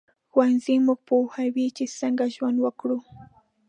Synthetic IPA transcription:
wanzɪmok̚puːxawit͡ʃɪsaŋɡaʒwanwakɾʊ

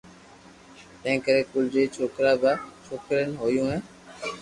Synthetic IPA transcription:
t̪əẽːkəɾeːkʊld͡ʒeːt͡ʃʰoːkɾaːbaːt͡ʃʰoːkɾənɦoːjũːɦẽː

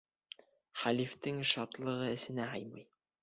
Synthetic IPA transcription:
χælift̪ɘŋʃɑt̪lˠɤ̆ʁɤɘ̆sɘ̆næɦɑjmɤj

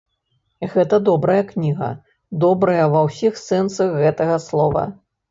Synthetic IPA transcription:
ɣɛt̪ɐd̪ɔbɾɐjɐknʲiɣɐ̰ | d̪ɔbɾɐjɐvɐwsʲixsɛnsɐɣɣɛt̪ɐɣɐslˠɔvɐ̰

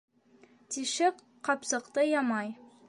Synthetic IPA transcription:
t̪iʃɘk | qɑpsɤ̆qt̪ɤjɑmɑj

